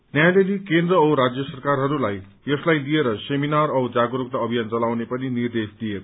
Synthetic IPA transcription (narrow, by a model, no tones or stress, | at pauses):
njajalelikend̪rʌʌɾad͡zjʌsʌrkarɦʌɾulaj | jʌslajlijeɾʌseminarʌwd͡zaɡɾokt̪aʌbʱijant͡sʌlawnepʌninird̪esd̪ieɾʌ